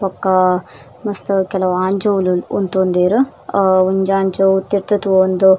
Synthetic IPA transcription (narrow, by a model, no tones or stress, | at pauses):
pɐkːɐ | mɐst̪ukɛlɐʋaːɲd͡ʒoʋluunt̪ond̪iːɾu | uɲd͡ʒaːɲd͡ʒout̪ːiɾt̪ɐt̪uond̪u